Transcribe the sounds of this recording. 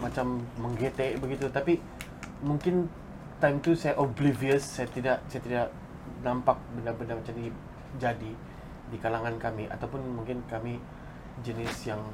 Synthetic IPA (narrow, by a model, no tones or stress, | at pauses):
mat͡ʃamːəŋɡet̪ebəɡit̪ut̪api | muŋkɪn | t̪ajmt̪usajaʔobliviəsːajat̪idaʔsajat̪idaʔ | nampak̚bənarbəndamat͡ʃami | d͡ʒadi | dikalaŋankamiʔa̰t̪awpʊnmuŋkɪnkami | d͡ʒənɪsjaŋ